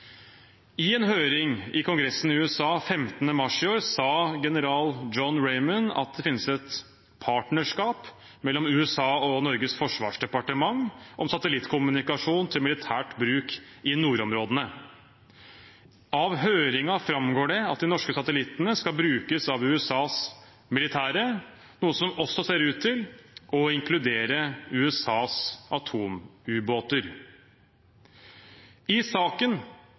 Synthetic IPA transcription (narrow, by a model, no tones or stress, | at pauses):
ɪɛnɦøːɾɪŋɪkʰʊŋɡɾɛsːn̩ɪʉɛsɑːfɛmt̪ənəmɑʂɪoːɾsɑːɡɛnəɾɑːld͡ʒɔnɾɛɪmənɑ̰t̪̚d̪ɛfɪnːəsɛt̪ | pʰɑːʈɳəʂkɑːp | mɛlːɔmʉːɛsɑːɔnɔɾɡəsfɔʂʋɑ̰ːʂɖɛpɑʈəmɑŋʔɔmsɑt̪əlɪt̪kʰʊmʉnɪkɑʂuːnt̪ʰɪlmɪlɪt̪ʰæːʈbɾʉːkɪnuːɾɔmɾoːd̪ənə | ɑʋɦøːɾɪŋɑfɾɑmɡoːɖɛɑt̪̚d̪ɪnɔʂkəsɑt̪əlɪt̪ːənəskɑlbɾʉːkəsɑʋʉːɛsɑːs | mɪlɪt̪ʰæːɾə | nuːəsɔmɔsːɔseːɾʉːt̪ʰːɪlɔɪŋklʉd̪eːɾəʉːɛsɑːsʔɑt̪ʰuːmʉːboːt̪əɾ | ɪsɑːkən